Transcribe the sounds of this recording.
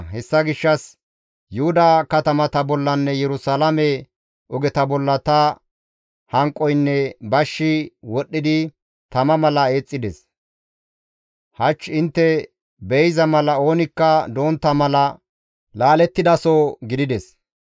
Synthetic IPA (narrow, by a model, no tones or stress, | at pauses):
hɛsːɐɡɪʃːɐs | jʊhʊd̪ɐkɐt̪ɐmɐt̪ɐbɔlːɐnːɛjɛɾʊsalɐmɛ | ʔɔɡɛt̪ɐbɔlːɐt̪ɐ | hɐŋkʼːɔjnːɛbɐʃːɪwɔɗːɪd̪ɪ | t̪ɐmɐmɐlɐe̞ːt͡sʼːɪd̪ɛs | hɐt͡ʃːɪnt̪ːɛ | bɛjzɐmɐlɐo̞ːnɪkːɐd̪o̞ːnt̪ːɐmɐlɐ | laːlɛt̪ːɪd̪ɐsoɡɪd̪ɪd̪ɛs